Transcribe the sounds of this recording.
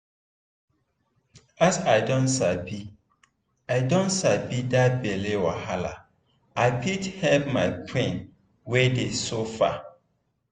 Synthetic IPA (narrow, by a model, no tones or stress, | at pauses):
asaɪdɔ̃ntsabi | aɪdõntsabidat̚belewɔhala̰ | aɪpʰithɛlpmaɪpʰẽn | wedesofa̰